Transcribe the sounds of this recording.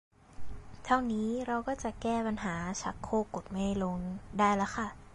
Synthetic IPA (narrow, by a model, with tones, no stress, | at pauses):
t̪ʰa˥˩wniː˦˥ɾa˧wkɔː˥˩t͡ɕa˨˩ʔkɛː˥˩pa˧nɦaː˩˦t͡ɕʰa̰˦˥kʰːoː˥˩ko˨˩t̪̚ma˥˩jlo˧ŋdaː˥˩jla˦˥kʰa˥˩